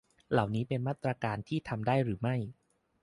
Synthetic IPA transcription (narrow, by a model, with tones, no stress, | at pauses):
la˨˩wniː˦˥pe˧nmaː˥˩t̪ːɾaː˧kaː˧nt̪ʰiː˥˩t̪ʰa˧mdaː˥˩jɾɯː˩˦ma˥˩j